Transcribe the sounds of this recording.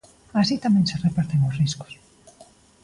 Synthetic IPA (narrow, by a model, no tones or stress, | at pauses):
asit̪amɛ̃ŋserepaɾt̪eŋosrisko̥s